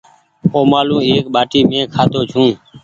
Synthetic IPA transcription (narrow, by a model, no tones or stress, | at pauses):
oːmaːlũːeːkɓaːʈiːmẽːkʰaːt̪oːt͡ʃʰũː